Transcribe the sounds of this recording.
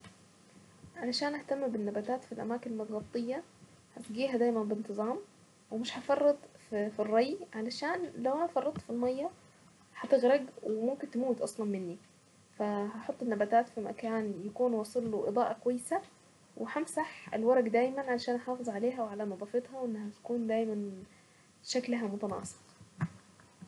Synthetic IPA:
ʕalaʃaːnʔaht̪amːbɪnːabaːt̪aːt̪filʔa̰maːkɪnlmʊt̪ɣɑb̚t̪ˤːɨjːɑ | hat̪ɡiːɦæd̪aːjmænbɪnt̪ɨzˤɑːm | wɪmɪʃhɑfɑrˤːɑt̪ˤfirˤːɑjʕalaʃaːnlawʔænfɑrˤːɑt̪ˤːfilmɑjːɑ | ħɑt̪ɪɣɾɑɡwɪmʊmkɪnt̪ɪmuːt̪ʔɑ̰sˤlɑnmɪnːi | fæhɑħot̪ˤːenːæbæt̪aːt̪fimæ̰kaːnjækuːnwɑːsˤɑlːoʔɨ̰d̪ˤɑːʔɑkowæjːsæ | wʔeħamsaħḛlwɑɾˤɑɡd̪æːjmænʕalæʃæːnħɑːfezˤʕaleːɦæweʕalæmɑd̪ˤɑːfet̪ˤhɑwʔenːhæt̪æ̥kuːnd̪æːjmæn | ʃæklɦæmot̪ɑnɑ̰ːsˤe̥q

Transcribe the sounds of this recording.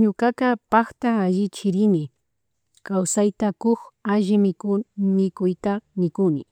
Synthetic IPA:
ɲʊkakapakt̪aːʒɪt͡ʃɪɾɪnɪ | kawsajt̪akʊxaʒɪmɪmɪkʊjt̪amɪkʊnɪ̰

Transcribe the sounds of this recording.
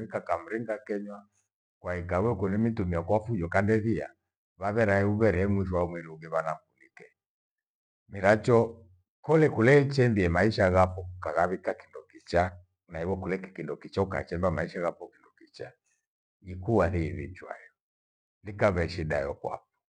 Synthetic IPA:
ikakam̩ɾiŋɡakɛɲwa | kwaikawɛukɔnɛmitumiakwafud͡ʒɔkandɛβia̰ | βaβɛɾaɛuβɛɾɛɛmwiʃ̬wamwiɾiuɡɛβanafunikɛ | miɾat͡ʃɔ | kɔlɛkulɛt͡ʃɛmbiɛmaiʃaɣapɔkukaɣaβikakindɔkit͡ʃa | naiwɔkulɛkɛ̥kindɔkit͡ʃauka̰t͡ʃɛmbamaiʃaɣapɔkindɔkit͡ʃa | ikuwahiβḭt͡ʃwa̰jɔ | likaβɛʃida̰jɔkwa̰p̚ɔ̥

